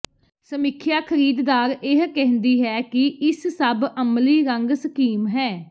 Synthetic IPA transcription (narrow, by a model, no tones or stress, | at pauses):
səmɪkʰjaːkʰəɾiːd̪d̪aːɾeɦkɛ̃ɦnd̪iːɦɛːkɪɪssəbəmliːɾəŋɡsəkiːmɦɛː